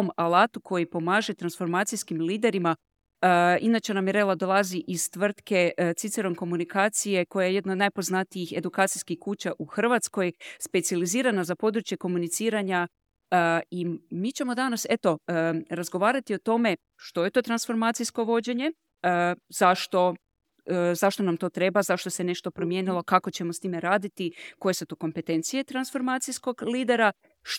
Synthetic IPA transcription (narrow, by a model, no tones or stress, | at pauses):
malaːt̪ukʰo̞jipo̞maːʒe̞t̪ɾansfo̞ɾmaːt̪sijskimliːd̪e̞ɾima | inat͡ɕenamiɾelˠad̪o̞lˠaziʔiz̥t̪ʋr̩t̪ke̞t̪sit̪seɾo̞mko̞munikaːt̪sije̞ko̞jajeje̞d̪naod̪najpo̞znat̪ijixe̞d̪ukaːt̪sijskixkuːt͡ɕaʔuxr̩ʋat̪skojespe̞t̪sializiːɾanazapo̞d̪ɾut͡ʃje̞ko̞munit̪siːɾaɲa | imit͡ɕe̞mo̞d̪anase̞t̪o̞ɾazɡo̞ʋaːɾat̪iot̪o̞me̞ | ʃt̪o̞je̞t̪o̞t̪ɾansfo̞ɾmaːt̪sijsko̞ʋo̞d͡ʑe̞ɲe̞ | z̥aʃt̪o̞ | zaʃt̪o̞namt̪o̞ːt̪ɾe̞bazaʃt̪o̞se̞ne̞ʃt̪o̞pɾo̞mje̞ːnilˠo̞kako̞t͡ɕe̞most̪iːmeɾaːd̪it̪iko̞je̞sut̪o̞ko̞mpe̞t̪e̞nt̪sijet̪ɾansfo̞ɾmaːt̪sisko̞ɡliːd̪e̞ɾa